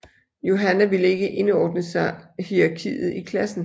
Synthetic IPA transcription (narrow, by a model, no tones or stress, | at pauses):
jo̝ɦænæʋiləe̝ɡ̥əʔe̝nɒːd̥nəsɑ̈hiɑ̈kʰḭːð̩ˠikʰlæsn̩